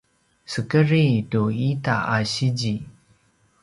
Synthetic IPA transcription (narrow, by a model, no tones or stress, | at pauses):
səkəɾituita̰aɕid͡ʑi